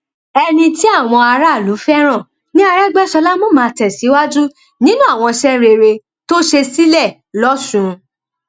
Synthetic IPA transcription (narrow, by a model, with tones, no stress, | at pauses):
ɛ˧nĩ˧ti˦a˦˨w̃ɔ̃˧a˧ɾa˦˨lu˨˦fɛ˦ɾ̃ã˦˨ | nĩ˦a˧ɾɛ˦ɡ͡bɛ˦ʃɔ˧la˦mɔ̃˦˨mãː˨˧tɛ˨si˨˦wa˦d͡ʒu˦ | nĩ˦nũ˦a˦˨w̃ɔ̃˧ʃɛ˦ɾe˧ɾe˧ | to˦ʃe˧si˦lɛ˦˨ | lɔ˦sũ˦